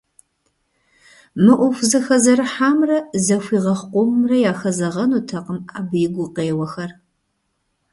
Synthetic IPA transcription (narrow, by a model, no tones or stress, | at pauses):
mɨʔʷʊfʷzɐxɐzɐɾɨħaːmrɐzɐfʷiːʁɐχqʷʊmrɐjaːxɐzɐʁɐnuːtʰɐqəmaːbɨjɪɡʷʊqeːwɐxɐr